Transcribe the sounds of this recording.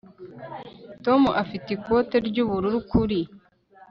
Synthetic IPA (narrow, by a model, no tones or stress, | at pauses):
to̞muʔafiteiko̞te̞ɾɟuːβuɾuɾukuɾi